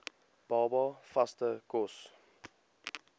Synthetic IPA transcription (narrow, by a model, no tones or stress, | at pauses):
b̥ɑːbɑfastəkɔs